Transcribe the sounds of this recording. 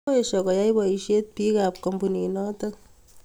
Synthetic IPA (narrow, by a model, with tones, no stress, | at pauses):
e˨ʃɔ˨kɔ˨ja˦ibɔ˨i˨ʃje˦t̚pi˦kap̚kɔ˨mbu˨ni˨nɔ˦to˦k̚